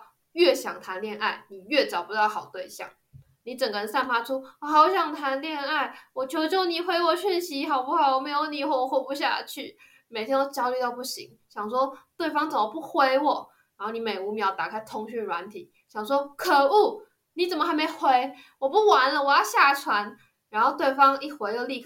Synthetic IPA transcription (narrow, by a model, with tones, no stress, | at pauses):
ɥɛ˥˩ɕjɑ˨˩ŋt̪ʰa˧˥nljɛ˥˧na˥˩ɪni˨˩ɥɛ˥˩t͡sɑ˨˩ʊpu˧˩t̪xɑ˨˩ʊt̪we˥˧ɪɕjɑ̰˥˩ŋ | ni˧˥ʈ͡ʂə˨˩ŋɡə˧ɻə˧˦nsa˥˧npa˥ʈ͡ʂʰu˥˧xa˨˧˩ʊɕjɑ˨˩ŋt̪ʰa˧˥nljɛ˥˧na˥˩ɪwɔ˨˩t͡ɕʰjo˧˥˧t͡ɕjo˥˧˩ʊni˨˩xwe˧˥ɪwɔ˨˩ɕy˥˩nɕi˧˥xɑ˨˩ʊpu˥˩xɑ˨˩ʊɔ˨˩me˧˥ɪjo˧˥ʊni˨˩xwɔ˧˩wɔ˧˥xwɔ˧˩pu˧ɕ̬ja̰˥˧t͡ɕʰy˥˩ | me˨˩t̪ʰjɛ˥o˥˩ʊt͡ɕjɑ˥ʊly˧t̪ɑ˥˧ʊpu˥˩ɕḭ˧˥˦ŋ | ɕjɑ˨˩ŋʂ̬wɔ˥t̪we˥˩ɪfɑ˥ŋt͡sə˨˩mə˧˦pu˥˩xwe˥ɪwɔ˨˩˦ | ɻa˧˥nxo˥˩ʊni˧˥me˨˩ɪu˧˥mjɑ˧˥ʊt̪a˨˩kʰa˥ɪt̪ʰʊ˧˥ŋɕy˥˩ɻwa˧˥nt̪ʰi˨˩˦ | ɕjɑ˨˩ŋʂwɔ˥kʰɤ˨˩u˥˩ | ni˧˥t͡sə˨˩nmə˦xa˧˥ɪme˧˥ɪxwe˧˥ɪ | wɔ˨˩pu˥˩wa˧˥nlə˧˨wɔ˨˩jɑ˥˧ɕja˥˩ʈ͡ʂʰwa˧˥n | ɻa˧˥nxo˥˧ʊt̪we˥˩ɪfɑ˥ŋi˥˩xwe˧˥ɪjo˧li˥˧kʰ